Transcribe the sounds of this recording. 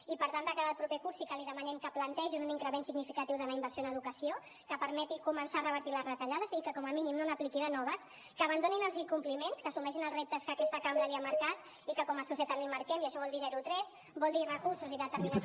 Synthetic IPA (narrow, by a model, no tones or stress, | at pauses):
ipəɾt̪and̪əkaðalˠpɾupɛkuɾsikəliðəmənɛmkəplənt̪ɛʒinuniŋkɾəmensiɡnifikat̪iwðələimbəɾsjonəðukəsio | kəpəɾmɛt̪ikumənsarəβəɾt̪iləzrət̪aʎaðəzikəkɔməminimnonəplikiɾanɔβ̞əs | kəːβand̪oninəlˠziŋkumplimenskəsumɛʃ̬inəlzrep̚t̪əskəːkɛst̪əkambɾəliaməɾkat̪ | ikəkɔməsusjət̪ad̪limaɾkɛmiəʃɔβɔlˠd̪izɛɾut̪ɾɛz | bɔlˠd̪irəkuɾsuziðət̪əɾmina